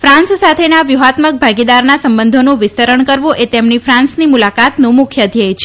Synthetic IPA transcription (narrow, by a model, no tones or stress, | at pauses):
fɾãnssat̪ʰenaʋjuɦat̪mək̚bʱaɡid̪aɾnasəmbənd̪ʱonũʋɪst̪əɾəɳkəɾʋũʔet̪emnifɾãnsnimulakat̪nũmʊkʰjəəd̪ʱjajt͡ʃʰe̥